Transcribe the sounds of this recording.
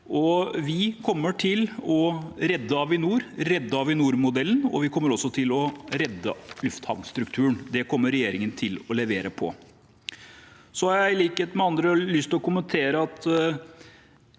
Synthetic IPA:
ʔɔʋɪkʰɔmːəʈʰɪlɔɾɛd̪ːəɑʋɪnuːɾɾɛd̪ːəɑʋɪnuːɾmʊd̪ɛlːənɔ̰ʋɪkʰɔmːəɾɔsːɔt̪ʰɪlɔɾɛd̪ːə̰lʉft̪hɑ̰ʋnst̪ɾʉk̚t̪ʰʉːɳd̪ɛkʰɔmːəɾɛjeːɾɪŋənt̪ʰɪlɔlɛʋeːɾəpʰɔ̰ | sɔhɑɾjæɪliːket̪mɛɑnd̪ɾəlʏst̪lɔkʊmənt̪ʰeːɾəɑt̪

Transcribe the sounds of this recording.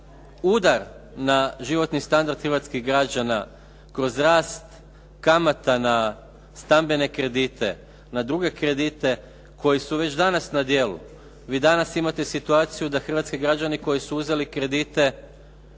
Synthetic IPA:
uːd̪aɾ | naʒiʋo̞t̪nist̪and̪aɾd̪xəɾʋat̪skiɣɡɾad͡ʑana | kɾo̞zɾaːst̪ | kamat̪ana | st̪ambe̞ne̞kɾe̞d̪iːt̪e̞ | nad̪ɾuɡe̞kɾe̞d̪it̪e̞ | kʰo̞jisuʋe̞t͡ɕd̪anasnad̪je̞lṵ | ʋiːd̪anasimat̪e̞sit̪uaːt̪sijud̪axr̩ʋat̪skiɡɾad͡ʒaniko̞jisuuze̞likɾe̞d̪it̪e̞

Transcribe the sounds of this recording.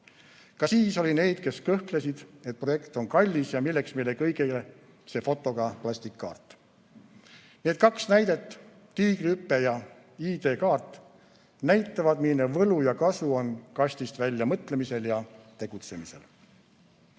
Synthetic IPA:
kɑsiːso̞lʲine̞ːd̪̥̚ke̞skɤhkle̞sid̪̥e̞t̪̚pro̞je̞kt̪o̞nkɑlʲːisjɑmilːe̞ksmejlekɤjɡele | se̞fo̞t̪ːo̞ɡ̥ɑplɑsʲt̪ikːɑ̰ːrt̪ːˑ | ne̞ːd̪̥̚kɑksnæjd̪̥e̞t̪ˑː | iːɡrypːe̞jɑ | iːd̪e̞ːkɑːrt̪ːˑ | næjt̪ˑːɑvɑd̪minevɤlujɑkɑsuo̞nkɑsʲt̪ist̪vælʲːjɑmɤt̪ˑle̞mise̞ljɑt̪e̞ɡ̥ut̪se̞mise̞̰l

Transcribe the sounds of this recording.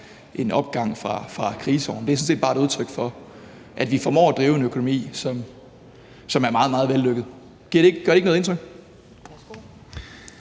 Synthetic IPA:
ʔe̝nɒ̽b̥ɡ̥ɑ̈ŋ̰fʁɑ̈fʁɑ̈kʰʁiːsɒ̰nde̝æsɔ̽n̩se̝ːd̥b̥ɑːe̥uð̞ˠt͡sʰʁœɡ̥fɒ̽ | ʔæd̥ʋifɒ̽mɒ̰ːæd̥ʁiːʊe̝nøkʰo̝no̝mḭːsɒ̽m | sɒ̽mæɐmɑ̈ːðˠmɑ̈ːð̩ˠʋelːøɡ̥ð̞̩ˠ | ɡ̥iɐɾe̝eɡ̥ɡ̥ɶɐeɡnɔːð̩ˠe̝nt͡sʰʁœɡ̥̚

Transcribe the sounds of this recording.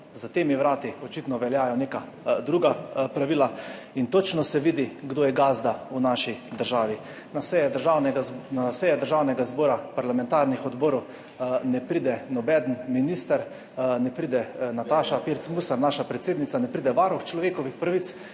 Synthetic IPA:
zat̪eːmiʋɾaːt̪iɔt͡ʃit̪nɔʋɛljaːjɔneːka | d̪ɾuɡapɾaʋiːla | int̪ot͡ʃnɔsɛʋiːd̪iɡd̪oːjɛɡaːzd̪aunaʃid̪əɾʒaːʋi | nasɛjɛd̪əɾʒawnɛɡanasɛːjɛd̪əɾʒaːwnɛɡazbɔːɾapaɾlamɛnt̪aɾnixɔd̪bɔːɾɔw | nɛpɾid̪ɛnɔbɛd̪nminiːst̪aɾ | nɛpɾiːd̪ɛnat̪aːʃapiɾt̪smusaɾnaʃapɾɛt̪seːd̪nit̪anɛpɾid̪ɛʋaɾuxt͡ʃlɔʋeːkɔʋixpɾaʋit̪s

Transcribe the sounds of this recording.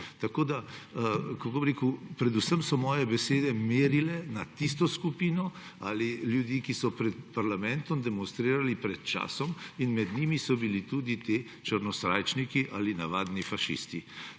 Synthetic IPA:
t̪akoːd̪a | kakobɾeːkupɾɛd̪usəmsɔmɔːjɛbɛseːd̪ɛmeːɾilɛnat̪ist̪ɔskupiːnɔ | a̰ːliljud̪iːkisɔpɾɛt̪paɾlamɛnt̪ɔmd̪ɛmɔnst̪ɾiːɾalipɾɛt̪t͡ʃa̰ːsɔminmɛd̪nimisɔbilit̪uːd̪it̪eː | t͡ʃəɾnɔsɾaːjt͡ʃnikiʔalinaʋaːd̪nifaʃḭst̪i

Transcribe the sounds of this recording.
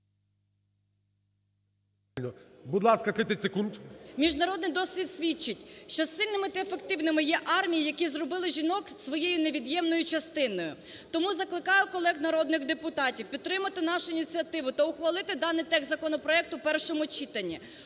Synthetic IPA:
lʲnɔbud̪lˠɑskɐt̪ɪt̪ɪsekunt̪mʲiʒnɐɾɔd̪nɪjd̪ɔsʲʋʲid̪sʲʋʲit͡ʃːɪtʲʃt͡ʃɔsɪlʲnɪmɪt̪ɪefekt̪ɪwnɪmɪjɛʔɑrmʲijijɐkʲizɾɔbɪlˠɪʒʲinɔksʋɔjejʊne̞ʋʲid̪jɛmnɔjʊt͡ʃɐst̪ɪnɔjʊ̰ | t̪ɔmuzɐklˠɪkɑjʊkɔlˠɛɣnɐɾɔd̪nɪɣd̪epʊt̪ɑtʲiwpʲid̪̚t̪ːɾɪmɐt̪ɪn̪ɑʃʊinʲit͡sʲiɐt̪ɪʋʊt̪ɐʊxʋɐlˠɪt̪ɪd̪ɑnɪjt̪ɛɣzɐkɔnɔpɾɔɛk̚t̪ʊpɛrʃɔmʊt͡ʃit̪ɐnʲːi

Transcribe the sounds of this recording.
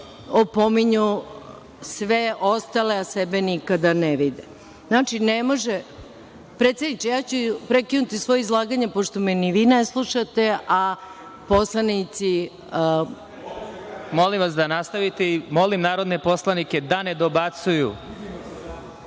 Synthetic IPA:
opo̞miɲu | sʋeʔo̞st̪aleasebenikad̪aneʋid̪e | naːt͡ʃinemo̞ʒe | pɾet̪sed̪nit͡ʃejaːt͡ɕupɾe̞kinut̪isʋo̞jeizlˠaːɡaɲepo̞ʃt̪o̞mɛniʋiːneslˠuʃat̪e̞ʔa | po̞slˠanit̪si | mo̞limʋasd̪anast̪aʋit̪eimo̞limnaːɾo̞d̪nepo̞slˠaniked̪aned̪o̞bat̪suju

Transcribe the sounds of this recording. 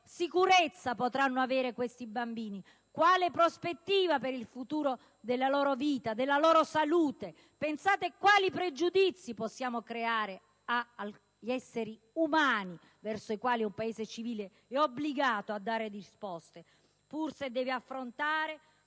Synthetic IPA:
sikuɾet̪sːapot̪ɾanːoavɛːɾekwest̪ibambiːni | kwaːlepɾospet̪ːiːvapeɾilfut̪uːɾo | d̪elːalɔːɾoviːt̪ad̪elːalɔːɾosaluːt̪e | pensaːt̪ekwaːlipɾed͡ʒud̪it̪sːiposːjaːmokɾeaːɾe | a | ʎɛsːeɾi | umaːni | vɛrsoikwaːliumpaeːzet͡ʃiviːle | ɛobliɡaːt̪oad̪ːaːɾed̪iispɔst̪e | pursed̪ɛːveafːɾont̪aːɾe

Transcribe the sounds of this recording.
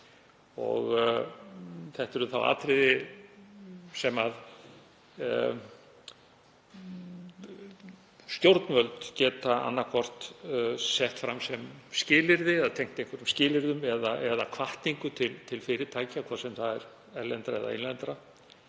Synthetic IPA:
ɔ̰ɣ | θɛht̪ɛɾʏθa̰wa̰ːt̪ɾɪðɪ | sɛmað | st̪jowɾt̪nvœlt̪cɛːt̪aa̰nːakʰɔr̥t̪sɛht̪fɾamsɛmscɪːlɪɾðɪɛðat̪ʰejŋ̥t̪ejŋkʰvɛɾʏmscɪːlɪɾðʏmɛðaʔɛðakʰvaht̪niŋkʏt̪ʰɪlt̪ʰɪlfɪɾɪt̪ʰaːjcakʰvaːsɛmθaðɛɾ | ɛɾlɛnt̪ɾaɛ̰ða̰enlɛnt̪ɾa

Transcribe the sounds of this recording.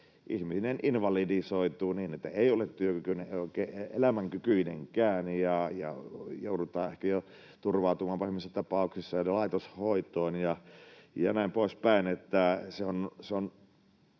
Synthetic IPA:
ʔḭhmisinenʔinʋɑlidisoˑit̪uːniːnet̪ːæeˑiolet̪t̪yøkykyneʔʔoˑikˑeːeʔelæmæŋkykyineŋkæːnjɑjɑ̰joˑudut̪ˑɑːʔehkæjo | t̪urʋɑˑut̪umɑːmpɑhimisːæt̪ɑpɑˑuksisːɑjɑlɑˑit̪oshoˑit̪ˑoˑːnjɑjɑ̰næˑimpoˑispæˑinet̪ːæseonseon

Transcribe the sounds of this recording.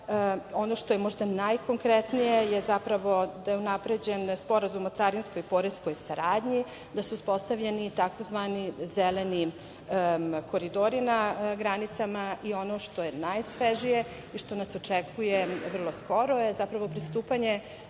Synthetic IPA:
onoʃt̪ojemo̞ʒd̪anajko̞ŋkɾet̪nijejezapɾaʋo̞d̪ajeunapɾed͡ʑenspo̞ɾazumot̪saɾinsko̞jpoɾesko̞jsaɾaːd̪ɲi | d̪asuːspo̞st̪aʋʎenit̪ako̞zʋanizeleni | ko̞ɾid̪oɾinaɡɾanit̪samaʔio̞noʂt̪o̞jenajsʋeʒije̞ | iʃt̪o̞nasot͡ʃekʰujeʋr̩lˠo̞sko̞ɾojezapɾaʋo̞pɾist̪uːpaɲe̞

